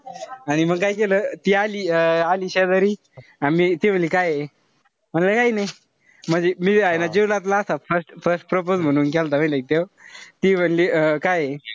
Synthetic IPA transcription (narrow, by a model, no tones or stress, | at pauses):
aɽ̃im̤əɡ̚kajkelət̪iːaliːəaliːɕɛd̪əɾiː | amiːt̪im̤ənliːkaje | m̤əɳləkainaj | m̤əɳd͡zemiːajnad͡ʑeʋlat̪̬laːsafəɾsʈfəɾsʈ̚pɾop̬od͡zm̤əɽ̃uːnkɛlt̪am̤ə̃lak̚t̪ewt̪iːm̤ənliːkaje